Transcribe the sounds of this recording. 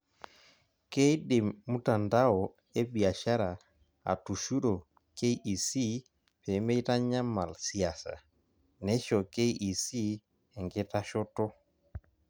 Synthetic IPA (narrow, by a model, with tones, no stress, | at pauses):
ke˦i˦ɗe˨mmu˦ta˨nda˦ɔ˨ | e˦bi˨a˨ʃa˦ɾa˨ | a̰˨tu˨ʃu˦ɾo˨ | ke˦i˦ʔi˨si˦ | pɛ˨˦me˦i˦ta˦ɲa˦ma˨lsi˨a˨sa̰˨ | nɛ˨˦ʃɔ˨ke˦i˦ʔi˨si˦ | ɛ˨ŋɡe˦ta˦ʃɔ˦tɔ˦